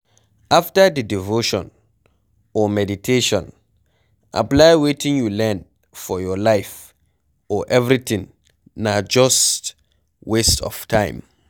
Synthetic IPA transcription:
ʔaftədidivoʃɔ̰̃n | ɔmɛditʰeʃɔ̰̃n | ʔa̰plajwetĩŋjulɛ̃n | fɔjɔlaɪf | ɔʔɛvɹit̪ĩŋ | nad͡ʒɔst | westɔ̰ftʰãɪ̃m

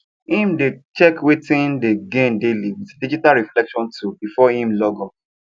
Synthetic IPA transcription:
hĩmdet͡ʃɛkwetĩndeɡẽndeliwitdid͡ʒitalɹiflɛkʃɔ̃ntʰubifɔhĩmlɔɡɔp̚

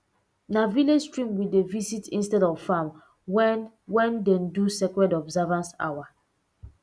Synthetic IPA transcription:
navilestɹĩmwidevisitĩnstɛdɔvfãm | wɛn | wɛ̃ndɛ̃ndusɛkɹɛdɔbzavãnsa̰wa

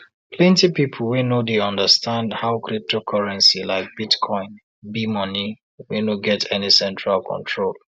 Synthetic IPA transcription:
pʰlɛ̃ntipipʰl̩wenodeɔ̃ndəstãndhaʊkɹip̚tʰokʰɔɹɛ̃nsilaɪk̚b̥itkʰɔ̃ɪ̃n | bimʌni | wenoɡɛtʰɛnisɛ̃ntɹalkʰɔ̰̃ntʰɹol

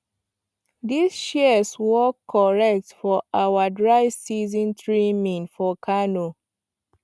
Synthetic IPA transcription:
disʃiswɔkʰːɔɹɛk̚tfɔʔawadɹaɪvsizɔ̃ntɹimĩŋfɔkʰano

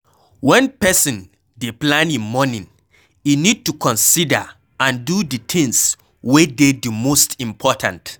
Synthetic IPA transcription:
wɛ̃npɛsĩn | deplãnĩnmɔnĩŋ | inid̚tukʰɔ̃nsidə | ʔãndudit̪ʰĩŋs | wededimostĩmpʰɔtʰã̰nt

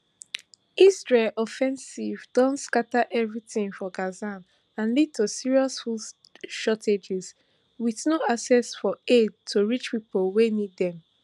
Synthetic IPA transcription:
isɹelʔɔfɛ̃nsivdɔ̃nskataʔɛvɹiθĩŋfɔɡazãn | ãnlid̚tʰosiɹiɔsful | ʃɔtʰed͡ʒɛz | wiθnoasɛsfɔed̚tʰoɹit͡ʃpipolˠweniddɛ̃m

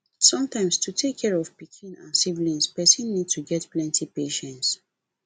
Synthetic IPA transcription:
sɔ̃mtãɪ̃mstutʰekʰːɛɹɔv̥pikʰĩnã̰nsivlĩnspɛsĩnːid̚tʰuɡɛtplɛ̃ntʰipeʃɛ̃nts

